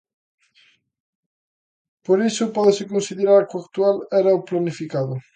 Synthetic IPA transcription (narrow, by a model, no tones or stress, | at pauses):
poɾisʊpɔðesɪkonsiðeɾaɾkak̚t̪ualɛɾaoplanifikaðʊ